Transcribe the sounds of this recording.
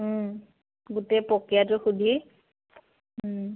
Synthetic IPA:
ɡutepɔkijatʊxudʱi

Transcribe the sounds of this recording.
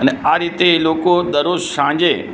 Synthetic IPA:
ɐnaːɾit̪eloːkod̪ɐɾoʃãːɲd͡ʑeː

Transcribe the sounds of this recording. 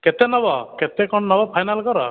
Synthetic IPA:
kɛt̪ɛnɔbɔkɛt̪ɛkɔɳnɔbɔpʰajnalkɔɾɔ̰

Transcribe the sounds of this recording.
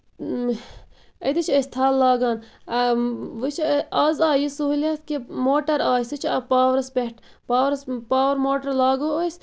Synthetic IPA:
ɐd̪it͡ʃʰest̪ʰaːlːaːɡaːn | ʋɨt͡ʃʰiɐzaːjisuɦulʲeːt̪ʰkimoːʈɐɾaːjsɨt͡ʃʰɐpaːʋɾɐspeʈʰ | paːʋɾɐspaːʋɐɾmoːʈɐɾlaːɡoːos

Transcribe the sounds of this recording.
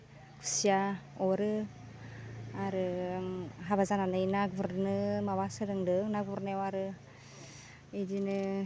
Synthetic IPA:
kʰu̥siaoɾɯ | aɾɯŋɦaβazananɯjnaɡuβəɾnɯmaβasɯɾɯŋdɯŋnaɡuβɾnewaɾɯ | idinɯ

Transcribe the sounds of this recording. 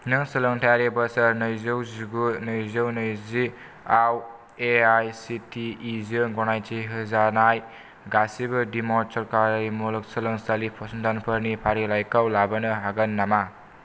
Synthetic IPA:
nɯŋsɯlɯŋtʰajaɾebəsaɾnɯjzɯwzuɡunɯjzɯwnɯjzi | aw | eajsitʰiːzɯɡɔnajt͡ʃiɦɯzanaj | ɡasibɯdimɔsɔɾkaɾɯjmulɯk̚sɯlɯŋsalipʰɔsndanpʰəɾnipʰaɾilajkawlabɐnɯɦaɡanːama

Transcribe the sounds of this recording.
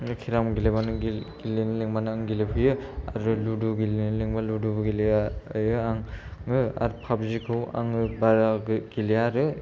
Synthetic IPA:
ɯkʰiɾamɡilebanɯiɡilenleŋmanɯaŋɡilepʰɯjɯaɾɯluduɡilinleŋbaludubɡilijɯaŋɯa̰ɾpʰabzikʰɯwa̰ŋɯbaɾaɡɡiliaɾɯ

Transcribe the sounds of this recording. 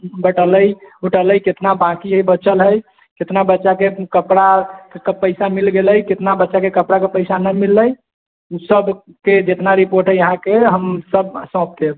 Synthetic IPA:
bəʈələjɦuʈələjket̪nabãkiɦəjbət͡ʃəlɦəj | ket̪nabətːʃakekəpɽakkəpəɪsamilɡeləjket̪nabətːʃakekəpɾakepəɪsanəmilːəj | usəb | ked͡ʒet̪naɾipoɾʈɦəəɦãkeɦəmsəb̚sɔ̃p̚t̪eb

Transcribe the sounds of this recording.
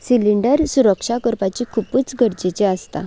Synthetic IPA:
siliɳɖəɾsuɾəkʂakəɾpat͡ɕikʰupuːt͡sɡʱəɾd͡ʑet͡ɕeast̪a̰

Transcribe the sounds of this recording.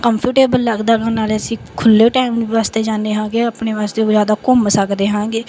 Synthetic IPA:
kəmpʰuːʈeːbəlːəɡd̪aːɡãːnaːleəsĩːkʰʊlːeːʈaːɪmʋaːst̪eːd͡ʒãːnd̪eːɦãːɡeːəpneːʋaːst̪eːoːzjaːd̪aːkʊmsəkd̪eːɦãːɡeː

